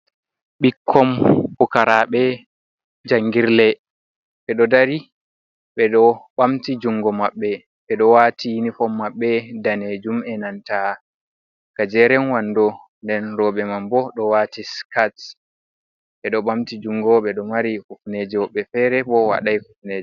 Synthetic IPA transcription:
ɓikʰːɔmhukaɾaɓɛ | d͡ʒaŋɡiɾlɛ | ɓɛɗɔdaɾi | ɓɛɗɔɓamtid͡ʒuŋɡɔmaɓːɛ | ɓɛɗɔwatʰijinifɔmːaɓːɛdaned͡ʒumɛnanta | kad͡ʒɛɾɛnwandɔ | ndɛnɾɔɓɛmambɔɗɔwaːtiskat | ɓɛɗɔɓamtid͡ʒuŋɡɔɓɛɗɔmaɾikufned͡ʒiwɔɓːɛfɛɾɛbɔwa̰ɗajhufned͡ʒi

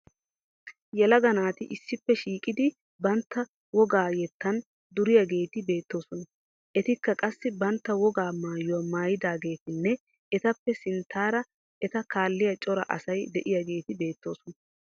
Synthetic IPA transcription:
jɛlɐɡɐnaːt̪ɪʔɪsːɪpːɛʃiːkʼɪd̪ɪ | bɐnt̪ːɐ | wɔɡaːjɛt̪ːɐn | d̪ʊɾɪjɐɡe̞ːt̪ɪbe̞ːt̪ːo̞ːsɔnɐ | ʔɛt̪ɪkːɐkʼɐsːɪbɐnt̪ːɐwɔɡaːmaːjʊwɐmaːjɪd̪aːɡe̞ːt̪ɪnːɛ | ɛt̪ɐpːɛsɪnt̪ːaːɾɐ | ʔɛt̪ɐkaːlːɪjɐt͡ʃʼɔɾɐ̰ʔɐ̰sɐjd̪ɛʔɪjɐɡe̞ːt̪ɪbe̞ːt̪ːo̞ːsɔnɐ

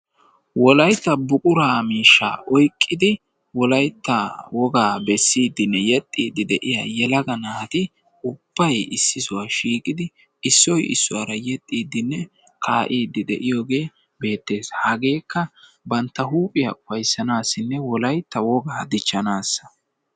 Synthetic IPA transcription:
wɔlɐjt̪ːɐbʊkʼʊɾaːmiːʃːa̰ːʔɔjkʼːɪd̪ɪ | wɔlɐjt̪ːɐwɔɡaːbɛsːiːd̪ːɪnːɛjɛt̪ʼːiːd̪ɪd̪ɛʔɪja̰ːjɛlɐɡɐnaːt̪ɪ | ʊb̥ːɐjɪsːɪsʊwaːʃiːkʼɪd̪ɪ | ɪsːɔjɪ̰sːʊwaɾɐjɛt̪ʼːiːd̪ːɪnːɛ | kʰaːʔiːd̪ːɪd̪ɛ̰ʔɪjo̞ːɡe̞ː | be̞ːt̪ːe̞ːshɐɡe̞ːkːɐ | bɐnt̪ːɐɦuːpʼɪjɐ̰ʔʊfɐjsːɐnaːsːɪnːɛwɔlɐjt̪ːɐwɔɡaːd̪ɪt͡ʃːɐnaːsːɐ̥

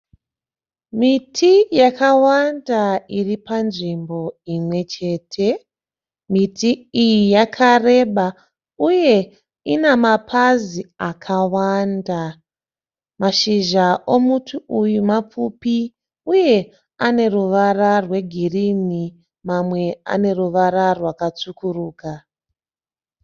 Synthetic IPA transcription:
mitʰijakawandairipanʐimbo̞imwe̞t͡ʃe̞ːtʰe̞ | mitʰiijijakʰare̞ɓa | uje̞ | inamapʰaziakʰawanda | maʃiʒao̞mutʰuujumap͡fupi | uje̞ | ane̞ruʋararwe̞ɡʱirini | mamwe̞a̰ne̞ruʋaɾarwakat͡sukuruːka

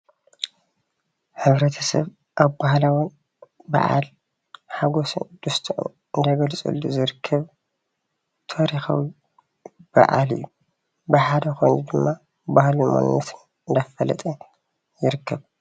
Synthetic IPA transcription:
ħɨβɾɐt̪ʰɐsɐ̰β | ʔaβbahlawɔn | ba̰ʕa̰l | ħaɡosṵnd̪̥ust̪ʰuʔṵ | ɨnd̪ɐɡɐlt͡sʼṵlːuzɨɾɨkʰːɐβ | t̪ʰoɾixa̰wi | b̥a̰ʔa̰lɨ̰jːu | bɨħad̪ɐkʰojnud̪ɨmːa | bahlumo̰nɐt̪ʰɨn | ɨnd̪afɐlɐ̰t̪ʼɐ | jɪɾɨkʰːɐβ

